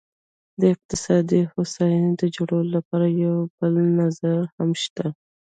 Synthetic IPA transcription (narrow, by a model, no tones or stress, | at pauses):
d̪əɪq̚t̪ɪsɑd̪ihosɑjnd̪əd͡ʒoɽəwlolapɑɾajawb̥əlnazaɾhamʃt̪a